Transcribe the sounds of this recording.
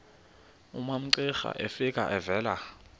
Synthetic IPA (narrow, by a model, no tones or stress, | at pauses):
umam̩ǀɪxa̰ʔefikʼa̰ʔɛvɛːla